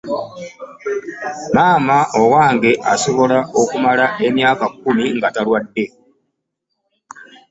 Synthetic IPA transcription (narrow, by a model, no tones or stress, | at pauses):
maːmaʔowaːŋɡe̞ʔaso̞βo̞lao̞kumalae̞mjaːkakːumiŋɡatalwadːe̞